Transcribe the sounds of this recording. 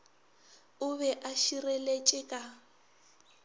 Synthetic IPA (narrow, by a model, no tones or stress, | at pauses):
ʊβɛʔaʃirelet͡ʃʼɪkʼa